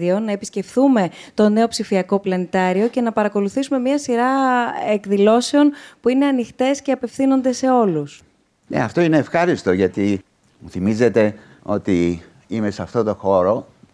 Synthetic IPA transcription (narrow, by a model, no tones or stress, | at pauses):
io̞nɐe̞pisce̞fθume̞t̪o̞ne̞o̞psifiɐko̞plɐnet̪ɐɾio̞ce̞nɐpɐɾɐko̞luθisume̞mɲɐsiɾɐekðilo̞se̞o̞npuine̞ɐnixt̪e̞sce̞ɐpe̞fθino̞nd̪e̞se̞o̞lus | nḛɐ̰ft̪o̞ineːfxɐɾist̪o̞ʝɐt̪i | muθimizet̪e̞ | o̞̰t̪i | ime̞sɐft̪ot̪o̞xo̞ɾo̞